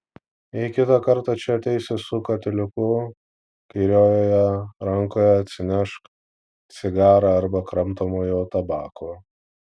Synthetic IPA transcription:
ɪkʲɪt̪ɑkɐɾt̪ɑt͡ʃʲɛɐt̪ʲɛɪsʲɪsʊkɐt̪ʲɪlʲɪkʊ | kɐɪɾʲoːjoːjɛɾɐŋkoːjɛɐt̪ʲsʲɪnʲɛʃk̪ | sʲɪɡɑːɾɑɐɾbɐkɾɐmt̪oːmoːjoːt̪ɐbɑːkoː

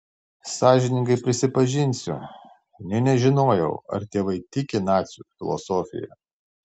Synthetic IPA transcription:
sɑːʒʲɪnʲɪŋɡɐɪpʲɾʲɪsʲɪpɐʒʲɪnʲsʲʊ̰ | nʲɛnʲɛʒʲɪnoːjɛʊɐ̰ɾt̪ʲeːʋɐɪt̪ʲɪkʲɪnɑːt̪sʲuːfʲɪlˠɔ̰soːfʲɪ̰jɛ̰

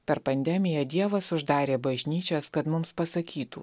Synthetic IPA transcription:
pʲɛɾpɐnʲd̪ʲɛmʲɪjɛd̪ʲiɛʋɐsʊʒd̪ɑːɾʲeːbɐʒʲnʲiːt͡ʃʲoskɐt̪mʊmspɐsɐkʲiːt̪ṵ

